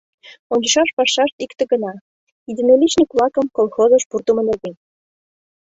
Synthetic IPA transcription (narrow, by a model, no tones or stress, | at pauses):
onʲt͡ɕəʃɑʃpɑʃːɑʃt̪ikt̪ĕɡənɑ | id̪ʲinolʲit͡ɕnʲikβlɑkə̆mkolˠxozəʃpurt̪umə̆nerd̪en